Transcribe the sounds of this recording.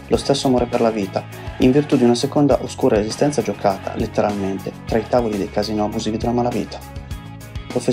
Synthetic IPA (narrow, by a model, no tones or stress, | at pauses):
lost̪esːoamɔːɾeperlaviːt̪a | iɱvirt̪ud̪iunasekond̪aʔoskuːɾaezist̪ɛnt̪sad͡ʒokʰaːt̪ʰa̰let̪ːeɾalment̪et̪ɾait̪aːvolid̪ejkaziːnoabuziːvid̪elamalavḭːt̪ʰḁ | pɾofe